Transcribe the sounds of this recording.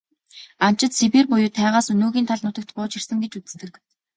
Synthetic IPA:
am̥t͡ɕɪ̆t̪sepirpʊjʊːt̪ʰæːʁaːsɵnɵːɣʲiːnt̪ʰaɮnʊt̪ə̆k̚t̪pʊːt͡ɕir̥sə̆ŋɡet͡ɕut͡sɘ̥̆st̪ɘ̆k

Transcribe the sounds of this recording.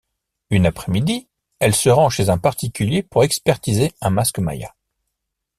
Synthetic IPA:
ynapχɛmid̪i | ɛlsəʁɑ̃ʃezɛ̃paʁt̪ikʲyljepuʁɛkspɛʁt̪izeɛ̃maskma̰ja̰

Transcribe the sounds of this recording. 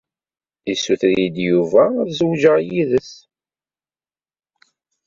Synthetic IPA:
isːuθɾjid̪juvæðzwʒəʁjiðəs

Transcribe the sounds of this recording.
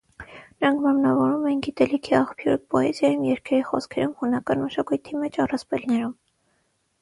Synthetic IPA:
nəɾɑŋkʰmɛmnɑvɔɾumɛnɡit̪ɛlikʰiɑχpʰjuɾpɔɛzjɑjumjɛɾkʰɛɾiχɔ̰skʰɛɾumhunɑkɑnməʃɑkujt̪ʰimɛt͡ʃʰɑrɑspɛlnɛɾum

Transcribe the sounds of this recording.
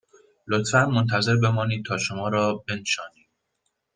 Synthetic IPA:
lot̪fænmo̞nt̪ʰæze̞ɾbe̞mɒːniːd̪̚t̪ʰɒːʃo̞mɒːɾɒːbe̞nʃɒːniːd̪̥̚

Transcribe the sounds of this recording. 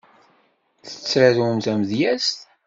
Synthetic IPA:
θə̥t͡sːɾæðumt̪æməðjæst̪

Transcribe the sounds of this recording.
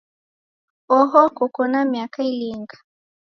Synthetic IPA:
ɔɦɔkɔkɔnamjakailiŋɡḁ

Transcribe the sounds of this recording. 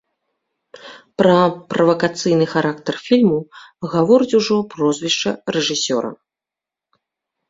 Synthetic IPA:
pɾɐpɾɐvɐkat̪sɨjnɨxaɾʔakt̪ɐrfʲilʲmuɣavɔɾɨt͡sʲuʐɔpɾɔzʲvʲiʂt͡ʂɐɾɛʐɨsʲɔ̰ɾɐ̰

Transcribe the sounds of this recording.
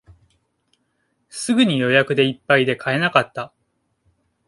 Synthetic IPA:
sɨɡɯ̟ɲ̟ijo̞jakɯ̟d̪e̞ipːaid̪e̞kʰae̞nakat̪ːa

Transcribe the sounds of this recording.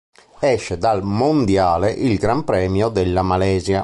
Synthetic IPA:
ɛʃːed̪almond̪jaːleʔilɡɾampɾɛːmjod̪elːamalɛːzja

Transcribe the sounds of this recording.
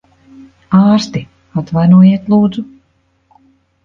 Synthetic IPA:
aːɾst̪i | at̪vajnuɔjiɛt̪lˠuːd̪zu

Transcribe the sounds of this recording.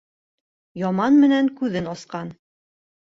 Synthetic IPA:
jɑmɑnmɘ̆næŋkʉðɘnɑsqɑn

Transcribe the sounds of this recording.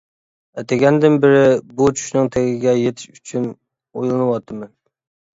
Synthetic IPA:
ɛt̪ʰɛɡʲɛnd̪ɪnbɪɾɪbut͡ʃʰy̥ʃnɨŋt̪ʰeɡʲɪɡʲɛjet̪ʰɪ̥ʃyt͡ʃʰyn | ojlˠɨnɨwɑt̪ʰːɨmɛn

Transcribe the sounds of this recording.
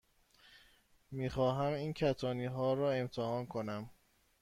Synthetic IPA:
miːxɒːɦæmiːncʰæt̪ʰɒːniːɦɒːɾɒːe̞mt̪ʰehɒːnkʰonæm

